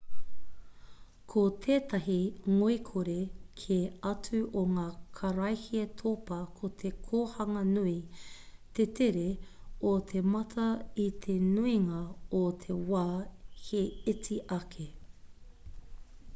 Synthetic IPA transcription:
kʰot̪ʰeːt̪ɐɦiŋoikʰoɾekʰeɐt͡sʉʔoŋaːkʰɐɾɐjhiɐtʰopɐkʰot̪ʰekʰoːhɐŋɐnui | t̪et̪ʰeɾeot̪ʰemɐt̪ʰɐit̪ʰenuiŋɐot̪ʰe̞waːheet͡siʔɐkʰe

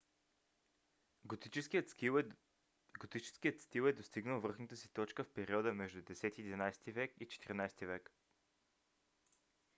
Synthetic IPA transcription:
t̪ii | ɡot̪it͡ʃɛ̥skijət̪st̪ilˠɛd̪ost̪iɡnəlˠvɤrxnət̪əsi̥t̪ɔt͡ʃkəfpɛɾiɔd̪əmɛʒd̪ud̪ɛsɛt̪iɛd̪inajst̪ivɛkit͡ʃɛ̥t̪iɾinajst̪ivɛk

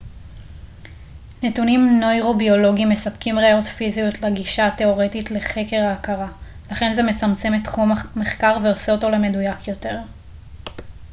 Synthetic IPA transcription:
netunimno̞jʁo̞bio̞lo̞ɡimːe̞sapkimʁejo̞tfizijutleɡiʃate̞o̞ʁe̞title̞χe̞ke̞ʁaːkaʁa | laχe̞nze̞me̞t͡samt͡se̞metχumme̞χkaʁveo̞seoto̞le̞me̞dujakjo̞te̞ʁ

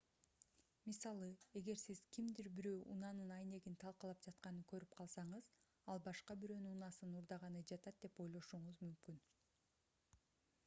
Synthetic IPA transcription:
misɑlˠɯe̞ɡe̞ɾsiz̥kimd̪iɾbiɾøːʔṵnɑnɯnɑjne̞ɡint̪ʰɑlˠqɑlˠɑp̚d͡ʒɑt̪qɑnɯkø̞ɾyp̚qʰɑlˠsɑɴɯz̥ | ɑlˠbɑʃqɑbiɾøːnyunɑsɯnuɾd̪ɑʁɑnɯd͡ʒɑt̪ɑt̪̚d̪e̞po̞jlˠo̞ʃuɴuzmymkyn

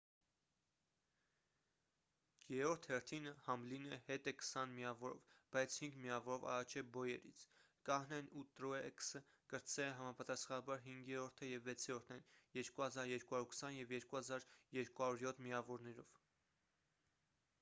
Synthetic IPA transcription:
jɛɾɔɾt̪ʰhɛɾt̪ʰinəhɑmlinɛhɛt̪ɛkʰə̥sɑnmiɑvɔɾɔ̰vb̥ɑjt͡sʰhiŋɡmiɑvɔɾɔvɑ̰rɑt͡ʃʰɛbɔjɛɾḭt͡sʰ | kɑhnɛnut̪ɾuɛɛksə | kəɾt͡sɛlɛɦɑmɑpɑt̪ɑsχɑnɑbɑɾɦiŋɡjɛɾɔɾt̪ʰəjɛvːɛt͡sʰjɛɾɔɾt̪ʰnɛnjɛɾkuhɑzɑɾjɛɾkuhɑɾuɾkə̥sɑnjɛvjɛɾkuhɑzɑɾjɛɾkuhɑɾuɾjɔt̪ʰmiɑvɔɾnɛɾɔ̰v̥

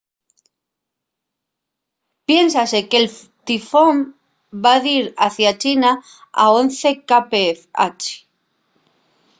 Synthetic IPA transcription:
pje̞nsase̞kel | t̪ifom | baðiɾaθjat͡ʃina | a̰on̟θekapefa̰t͡ʃe̥

